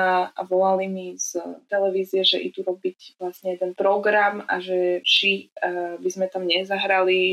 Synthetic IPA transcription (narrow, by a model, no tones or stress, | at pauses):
ʔa̰ʋɔlalimiz̥t̪ɛlɛʋiːzijɛʒɛʔḭd̪uɾɔbiɟʋlasɲɛjɛd̪ɛnpɾɔɡɾamaʒɛt͡ʃibizmɛt̪amɲɛzaɦɾali